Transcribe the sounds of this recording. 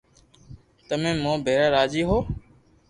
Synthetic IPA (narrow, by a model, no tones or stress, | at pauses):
t̪əmẽːmõːbʱeːɾaːɾaːd͡ʒiːɦoː